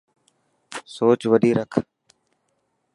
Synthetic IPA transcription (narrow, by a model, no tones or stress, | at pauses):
soːt͡ʃʋəɗiːɾəkʰ